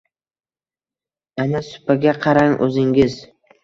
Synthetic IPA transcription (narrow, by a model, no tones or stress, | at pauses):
anasʊ̥paɡʲaqʰɑɾaŋʔɵ̰zɪŋɡʲɪz